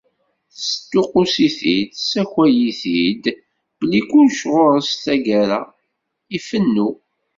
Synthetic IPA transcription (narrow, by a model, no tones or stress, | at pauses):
θsə̥t̪ːʊqʊsiθid̪sæçæjiθid̪ | b̥əlːikʷːunʃʁoɾˤəst̪æɡæɾa | ifənːu